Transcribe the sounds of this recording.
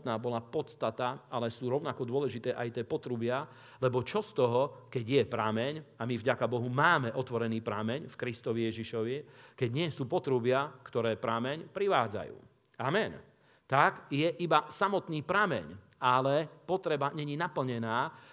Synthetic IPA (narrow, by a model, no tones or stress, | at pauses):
t̪naːbɔlapɔt̪st̪at̪aalɛsuːɾɔʊnakɔd̪ʊɔlɛʒit̪ɛːʔajt̪ɪɛːpɔt̪ɾubɪa | lɛbɔt͡ʃɔst̪ɔɦɔkɛɟjɛpɾaːmɛɲamivɟakabɔɦumaːmɛʔɔt̪ʋɔɾɛniːpɾaːmɛɲfkɾist̪ɔʋijɛʒiʃɔʋikɛɟɲɪɛsuːpɔt̪ɾubɪakt̪ɔɾɛːpɾamɛɲpɾiʋaːd͡za̰jṵː | amɛn | t̪aɡjɛʔibasamɔt̪niːpɾaːmɛ̰ɲ | alɛpɔt̪ɾɛbaɲɛɲinapl̩ɲɛnaː